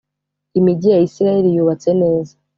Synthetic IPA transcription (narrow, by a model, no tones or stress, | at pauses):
imiɟijaisiɾajeɾijuβat͡se̞ne̞ːza